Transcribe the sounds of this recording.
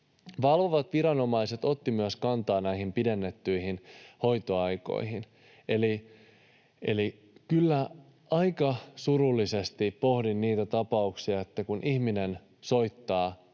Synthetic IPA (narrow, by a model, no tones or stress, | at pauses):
ʋɑlʋoʋɑt̪ʋiɾɑno̞mɑise̞t̪o̞t̪ːimyæskɑnt̪ɑːnæihimpide̞nːet̪ːyihinho̞jt̪oɑjko̰ihin | e̞li | ʔe̞̰li | kylːæ | ɑjkɑsuɾulːise̞st̪ipo̞hdinniːt̪æt̪ɑpɑuksiɑet̪ːækunʔihminen | so̞jt̪ːɑː